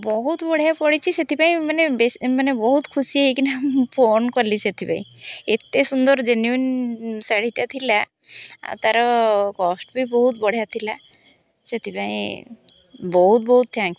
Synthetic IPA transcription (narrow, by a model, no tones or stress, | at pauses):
bɔɦut̪bɔɽ̤japɔɽit͡ʃʰiset̪ipaĩmanebesmanebɔɦut̪kʰusieɦikinempʰonkɔɾliset̪ʰipã̰ḭ̃et̪esund̪ɔɾd͡ʒenjuinsaɽ̤iʈat̪ʰila̰ | t̪aɾɔkɔsʈbʱibɔɦut̪bɔɽ̤ijat̪ʰila | set̪ʰipaḭ̃ | bɔɦut̪̚bɔɦut̪̚t̪ʰːãŋk